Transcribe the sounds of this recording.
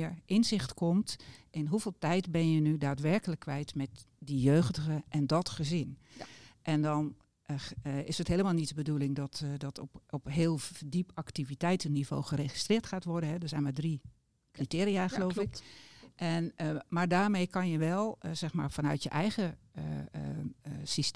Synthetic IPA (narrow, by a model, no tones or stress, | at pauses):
ʔɪnzɪxtkʰɔmtʔɪnɦuvɪːlˠtɛjtbɛnjənydaːtʋɛrkələkːʋɛjtmɛtdijøːxdəɣəʔɛndɔtxəzɪn | ʔɛndɔn | ɪsətɦeːləmaːlˠnitbədulɪŋdɔtdɔtɔɔpɦɪːlˠdipaktivitɛjtənːivo̰ːxəreːxi̥strɪːtxaːtʋɔrdənɦɛdəzɛjnmaːdri | kritɪːɾiaxəloːfɪkʔɛnmaːɹdaːɹmejkɑnjəʋɛlˠzɛxmaːɹfanœ̰ɥtjəʔɛjɣə | sis